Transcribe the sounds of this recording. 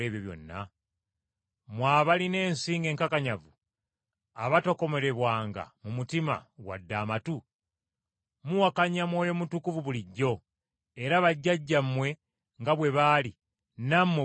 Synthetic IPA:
eβjoβjo̞̰nːa̰ | mwaːβaline̞ːnsiːŋɡe̞ːŋkakaɲavu | aβato̞ko̞me̞ɾe̞βwaːŋɡa̰mumutima̰wa̰dːaːmatu | muwakaɲamwo̞ːjo̞mutukuvuβuliɟːo̞ | eɾaβaɟːaɟːamːwe̞ | ŋɡaβwe̞βaːli | namwe

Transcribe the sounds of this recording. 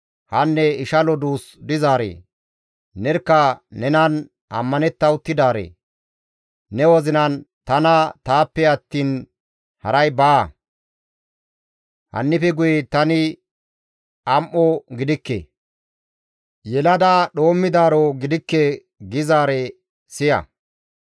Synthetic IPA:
hɐnːɛɪʃɐlɔd̪uːsd̪ɪzaːɾḛː | nɛɾkːɐnɛnɐn | ʔɐ̰mːɐnɛt̪ːɐwʊt̪ːɪd̪aːɾḛː | ɛwɔzɪnɐnt̪ɐnɐt̪aːpːɛɐt̪ːiːn | hɐɾɐjbaː | hɐ̰nːɪfɛɡʊjɛt̪ɐnɪ | ʔɐmʔɔɡɪd̪ɪkːḛː | jɛlɐd̪aɗo̞ːmːɪd̪aːɾoɡɪd̪ɪkːe | ɡɪzaːɾɛ | sɪjɐ̰

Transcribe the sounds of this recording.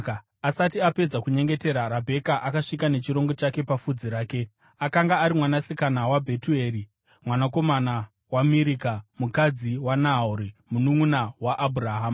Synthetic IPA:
asatiape̞d͡zakuɲe̞ŋɡe̞te̞ɾaɾabʱe̞kaʔakaʂikane̞t͡ʃiɾo̞ŋɡo̞t͡ʃake̞pafud͡ziɾaːke̞ | akaŋɡaːɾimwanasikanawabʱetue̞ri | mwanako̞mana | wamiɾikamukad͡ziwanauɾimunuŋunawaʔːbʱuraɦaːma

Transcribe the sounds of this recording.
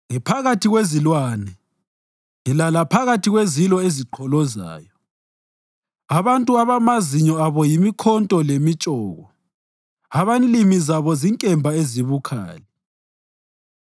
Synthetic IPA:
ŋɛpʰaɣatʰiɣwezilwaːnɛ | ŋilalapʰaɣatʰiɣwezilɔeziǃʰɔlɔza̰ːjɔ | aβantʼuaβamaziɲɔaβɔjimikʰɔntʼɔlemit͡ʃʼɔːɣɔ | aβanlimizaβɔziŋkʼɛmbʱaeziβukʰa̰ːlɛ

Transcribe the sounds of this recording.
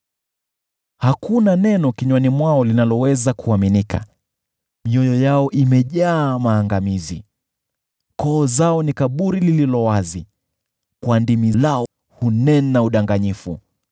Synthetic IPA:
hakunanɛnɔkiɲwanimwaɔlinalɔwɛzakuaminika̰ | miɔjɔjaɔʔimɛʄaːmaːŋɡamizḭ | kɔːzaɔnikaɓuɾilililɔwazi | kwandimilaɔ | hunɛnnauɗaŋɡaɲifṵ

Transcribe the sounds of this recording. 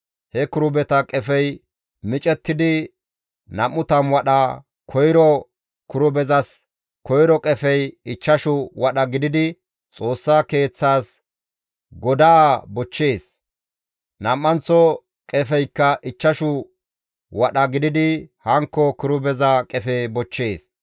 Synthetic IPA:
hɛkʊɾʊbɛt̪ɐkʼɛfɛj | mɪt͡ʃʼɛt̪ːɪd̪ɪ | nɐmːʊt̪ɐmwɐɗɐ | kʰɔjɾɔ | kʊɾʊbɛzɐs | kɔjɾɔkʼɛfɛjɪt͡ʃːɐʃʊwɐɗɐɡɪd̪ɪd̪ɪ | t͡sʼo̞ːsːake̞ːt͡sːaːs | ɡɔd̪aːbɔt͡ʃːe̞ːs | nɐmːɐnt͡sːɔ | kʼɛfɛjkːɐʔɪt͡ʃːɐʃʊ | wɐɗɐɡɪd̪ɪd̪ɪhɐŋkːɔkʊɾʊbɛzɐkʼɛfebɔt͡ʃːe̞ːs

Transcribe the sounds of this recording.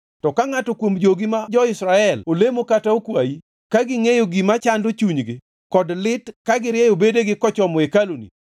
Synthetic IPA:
tɔkaŋatɔkwomd͡ʒoɡimad͡ʒɔɪsɾaɛlolemokataokwaji | kaɡɪŋejoɡimat͡ʃandot͡ʃuɲɡɪ | kɔdlɪtkaɡɪɾjɛjobedeɡɪkɔt͡ʃɔmɔekalonḭ

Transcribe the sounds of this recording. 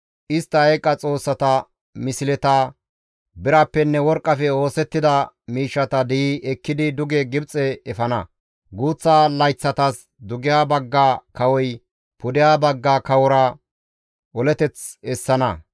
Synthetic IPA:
ʔɪst̪ːɐɐjkʼɐt͡sʼo̞ːsːɐt̪ɐ | mɪsɪlɛt̪ɐ | bɪɾɐpːɛnːɛwɔɾkʼːɐfɛo̞ːsɛt̪ːɪd̪ɐ | miːʃːɐt̪ɐd̪ɛjiʔɛkːɪd̪ɪd̪ʊɡɛɡɪbt͡sʼɛɛfɐnɐ | ɡuːt͡sːaːlɐjt͡sːɐt̪ɐs | d̪ʊɡɪjaːbɐɡːaːkɐwɔj | pʊd̪ɪjaːbɐɡːaːkɐwɔɾɐ | ʔɔlɛt̪ɛt͡sɛsːɐnɐ

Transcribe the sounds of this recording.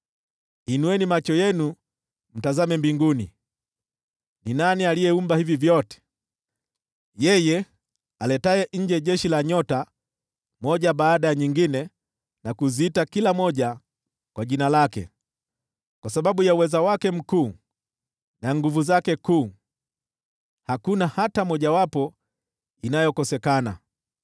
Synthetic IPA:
hinuwɛnimat͡ʃɔjɛnu | m̩tazamɛmbiŋɡunḭ | ninanialijɛumbahivivjɔtɛ̥ | jɛjɛ | alɛtajɛɲ̩d͡ʒɛɟɛʃilaɲɔta | mɔɟabaːdajaɲiŋɡinɛ | nakuziːtakilamɔʄa | kwaʄinalakɛ̰ | kwasaɓaɓujauwɛzawakɛm̩kuː | naŋɡuvuzakɛkuː | hakunahatamɔʄawapɔ | inajɔkɔsɛkana̰

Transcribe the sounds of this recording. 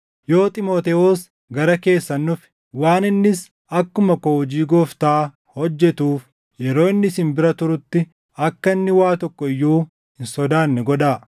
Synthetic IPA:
jo̞ːt̪ʼɪmo̞ːt̪ɛoːs | ɡɐɾɐke̞ːsːɐnːʊf | waːnɪnːɪs | ɐkːʊmɐkoːɔd͡ʒiːɡoːft̪aː | hɔd͡ʒːɛt̪uːf | jɛɾo̞ːɪnːɪshɪnbɪɾɐt̪ʊɾʊt̪ːɪ | ɐkːɐɪnːɪwaːt̪ɔkːɔɪjːuː | hɪnsɔd̪aːnːɛɡɔᶑ̪aː

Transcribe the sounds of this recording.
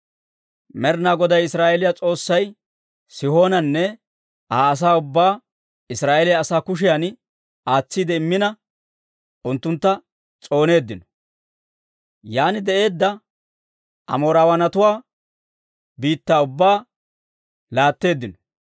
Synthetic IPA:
mɛɾnaːɡɔd̪ɐjɪsɾaːʔɛlɪjat͡sʼo̞ːsːɐj | sɪho̞ːnɐnːɛ | aːɐs̬aːʊbːaː | ɪsɾaːʔɛlɪjaːsaːkʊʃ̬ɪjan | aːt͡sːiːd̪ɛɪmːɪnɐ | ʔʊnt̪ːʊnt̪ːɐ | t͡sʼo̞ːne̞ːd̪ːɪnɔ̥ | jaːnɪd̪ɛʔe̞ːd̪ːɐ | ʔɐ̰moːɾaːwɐnɐt̪ʊwaː | biːt̪ːaːʊbːaː | laːt̪ːe̞ːd̪ːɪnɔ̥

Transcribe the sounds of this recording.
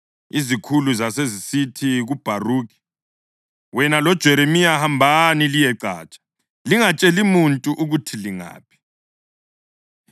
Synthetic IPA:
izikʰuluzasezisitʰiɣub̥ʱaruːk̬ʼi̥ | wɛnalɔd̥ʒ̥ʱɛɾemijahambʱanilijɛǀa̰ːt͡ʃʼḁ | liŋat͡ʃʼelimuntʼuʔuɣutʰiliŋa̰ːpʰi̥

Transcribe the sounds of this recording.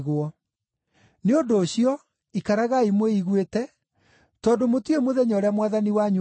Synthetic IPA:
ɣwɔ | neondoːɕiɔ | ikaɾaɣaimweiɣwetɛ | tɔːndomotwemoðɛɲɔɾeamwaðaniwaɲ

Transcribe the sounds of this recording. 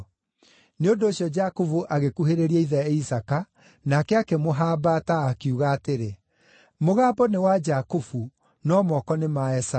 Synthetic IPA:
neondoːɕjɔd͡ʒakofuʔaɣekuɦeɾeɾiɛiðɛisaka | nakɛakɛmoɦaːbataːkiuɣaːteɾe | moɣaːbɔnewad͡ʒakofu | nɔmɔkɔnemaɛsa

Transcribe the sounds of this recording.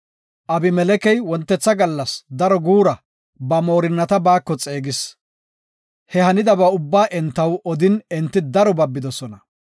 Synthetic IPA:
ʔɐbɪmɛlɛkɛjwɔnt̪ːɛt͡sːɐɡɐlːɐsd̪ɐɾɔɡuːɾɐ | bɐmo̞ːɾɪnːɐt̪ɐbaːkːɔt͡sʼe̞ːɡɪs | hɛhɐnɪd̪ɐbɐʊbːaːʔɛnt̪ːɐwɔd̪ɪnɛnt̪ːɪd̪ɐɾɔbɐbːɪd̪ɔsɔnɐ

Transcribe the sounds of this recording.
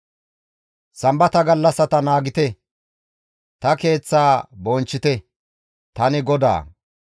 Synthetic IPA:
sɐmbɐt̪ɐɡɐlːɐsɐt̪ɐnaːɡɪt̪ɛ | t̪ɐke̞ːt͡sːaːbɔnt͡ʃːɪt̪ɛ | t̪ɐnɪɡɔd̪a̰ː

